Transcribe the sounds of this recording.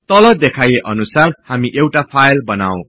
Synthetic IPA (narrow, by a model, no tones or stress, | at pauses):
t̪ʌlʌd̪ekʰajeʔʌnusarhamiʔewʈapʰajlbʌna̰w̃